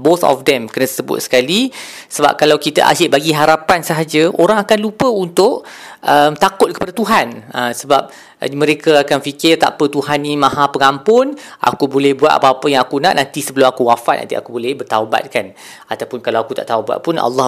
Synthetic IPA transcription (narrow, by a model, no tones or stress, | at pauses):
boθɔ̰fd̪ɛmkərnasəbʊ̰t̪̚sə̥kali | səba̰p̚kalawkit̪a̰ʔa̰d͡ʒɪʔbaɡiɦaɾapansəɦad͡ʒəʔoɾaŋakanlupəunt̪ʊʔ | ʔəmt̪akʊt̪̚kə̥padat̪uɦanəsəbap̚ | mə̃ɾekaakanfikɪrt̪a̰pət̪uhanːimãɦapəŋampʊnʔa̰kubolɛhbua̰t̪̚a̰papəjaŋakunã̰ʔnant̪isəbəlʊmakuwafat̪ʔ̚na̰t̪ia̰kubolɛhbərt̪awba̰t̪̚kan | at̪awpʊnkalawakut̪aʔt̪awbua̰ʔ̪̚pʊna̰lːɑ